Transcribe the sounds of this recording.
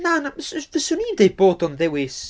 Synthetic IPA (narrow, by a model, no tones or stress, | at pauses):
nanasvəsʊnindejboːdɔnðɛwɪs